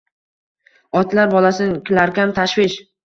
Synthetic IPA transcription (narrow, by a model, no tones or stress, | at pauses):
ɒt̪laɾbɒlasɪnɪkʲʰɪlaɾkʲamt̪ʰaʃvɪʃ